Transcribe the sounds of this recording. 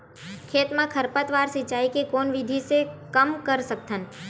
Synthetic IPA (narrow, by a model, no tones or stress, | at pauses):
kʰeːt̪mãkʰəɾpət̪ʋaːɾsɪt͡ʃaːikekoːnʋɪd̪ʱisekəmkəɾsək̚t̪ʰən